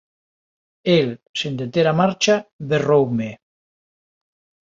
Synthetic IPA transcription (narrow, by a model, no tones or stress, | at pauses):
elsend̪et̪eɾamaɾt͡ʃaβerowme